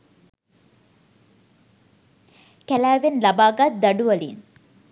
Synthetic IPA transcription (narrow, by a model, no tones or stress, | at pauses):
kælæːʋenlɐbaːɡat̪̚d̪ɐɖuʋɐlḭn